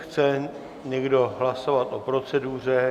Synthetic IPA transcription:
xt͡sɛ | ɲɛɡdo̞ɦlaso̞vat̪ʔo̞pɾo̞t͡sɛduːr̝ɛ

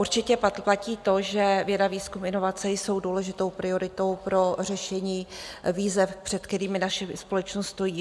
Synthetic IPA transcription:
uɾt͡ʃɪcɛpplaciːt̪o̞ʒɛvjɛdaviːskumʔɪno̞vat͡sɛjso̞wduːlɛʒɪt̪o̞wpɾɪo̞ɾɪt̪o̞wpɾo̞rɛʃɛɲiːviːzɛfpr̥ɛt̪̚kt̪ɛɾiːmɪnaʃɛspo̞lɛt͡ʃnost̪st̪o̞jiː

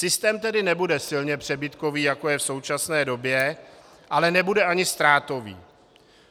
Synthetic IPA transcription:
sɪst̪ɛːmt̪ɛdɪnɛbudɛsɪlɲɛpr̝̥ɛbɪt̪ko̞viːjako̞jɛfso̞wt͡ʃasnɛːdo̞bjɛ | ʔalɛnɛbudɛʔaɲɪst̪ɾaːt̪o̞vḭː

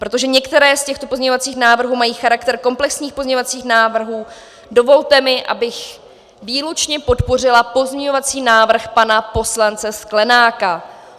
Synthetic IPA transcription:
pɾo̞t̪oʒɛɲɛkt̪ɛɾɛːscɛxt̪opozɲɛɲovat͡siːxnaːvr̩ɦuːmajiːxaɾakt̪ɛɾko̞mplɛksɲiːxpozɲɛɲovat͡siːxnaːvr̩ɦuː | do̞vo̞lt̪ɛmɪʔa̰bɪx | viːlut͡ʃɲɛpo̞t̪po̞r̝ɪlapo̞zɲɛɲo̞vat͡siːnaːvr̩xpanapo̞slant͡sɛsklɛnaːka

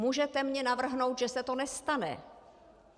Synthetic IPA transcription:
muːʒɛt̪ɛmɲɛnavr̩ɦno̞wt̪ʒɛsɛt̪onɛst̪anɛ̰

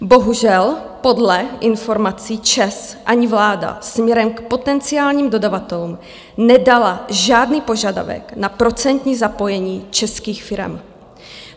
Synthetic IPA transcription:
bo̞ɦuʒɛlpo̞dlɛʔɪnfo̞ɾmat͡siːt͡ʃɛsʔaɲɪvlaːda̰smɲɛɾɛmkpot̪ɛnt͡sɪaːlɲiːmdo̞davat̪ɛluːm | nɛdalaʒaːdniːpo̞ʒada̰vɛ̰knapɾo̞t͡sɛnt̪ɲiːzapo̞jɛɲiːt͡ʃɛskiːxfɪɾɛ̰m

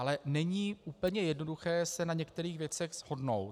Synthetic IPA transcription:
alɛnɛɲiːʔuːpl̩ɲɛjɛdno̞duxɛːsɛnaɲɛkt̪ɛɾiːɣvjɛt͡sɛɣz̥ho̞dnowt̪

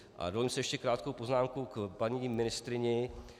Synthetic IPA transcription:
ʔa̰dolɪmsɛjɛʃcɛkɾaːt̪kowpo̞znaːmkukpaɲimɪnɪst̪ɾɪɲɛ

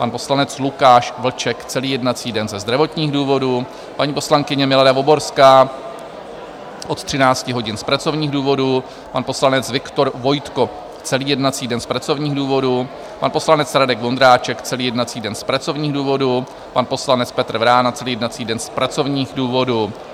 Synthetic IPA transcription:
panpo̞slanɛt͡slukaːʃvl̩t͡ʃɛkt͡sɛliːjɛdnat͡siːdɛnzɛzd̪ɾavo̞t̪ɲiːɣduːvo̞du | paɲiːpo̞slaŋkɪɲɛmɪladavo̞bo̞ɾskaː | ʔo̞t̪t̪r̥ɪnaːt͡scɪɦo̞ɟɪnspɾat͡so̞vɲiːɣduːvo̞du | panpo̞slanɛt͡svɪkt̪o̞ɾvo̞jt̪ko̞ | t͡sɛliːjɛdnat͡siːdɛnspɾat͡so̞vɲiːɣduːvo̞du | panpo̞slanɛt͡sɾadɛɡvo̞nd̪ɾaːt͡ʃɛkt͡sɛliːjɛdnat͡siːdɛnspɾat͡so̞vɲiːɣduːvo̞du | panpo̞slanɛt͡spɛt̪ɾ̩vɾaːnat͡sɛliːjɛdnat͡siːdɛnspɾat͡so̞vɲiːxduːvo̞du

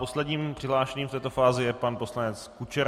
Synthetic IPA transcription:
po̞slɛdɲiːmpr̝̥ɪɦlaːʃɛɲiːmft̪ɛːt̪o̞faːzɪjɛpanpo̞slanɛt͡skut͡ʃɛɾ

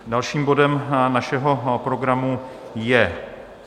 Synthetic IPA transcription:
dalʃiːmbo̞dɛmnaʃɛɦo̞pɾo̞ɡɾamujɛ

